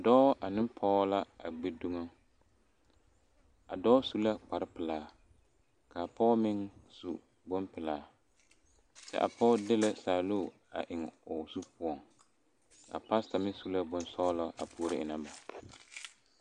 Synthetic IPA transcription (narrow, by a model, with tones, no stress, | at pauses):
a˨dɔː˦ʔa˨nɪ˦mpʰɔ˦la˦a̰˨ɡ͡be˦du˦ŋa˦ | a̰˨dɔː˦su˦la˦k͡pa˨ɾɪ˦pɪ˨laː˨˦˨ | ka˨pɔ˦mɪ˦ŋsṵ˨ | bʊ˦mpɪ˨laː˨˦ | t͡ʃɛ̰˦ʔa̰˨pɔ˦dɪ˦la˦saː˨loː˦˨ | a̰˨ʔɪ˨ŋ˨ʊ˨su˦pʊ˦ɔ˨ŋ | a̰˨pa˦sta˨mɪ˦su˦la˦bʊ˦nsɔː˦la˦ʔa̰˨pʰu˨˦ɾɪ˦ʔɪ˨na˦ba˨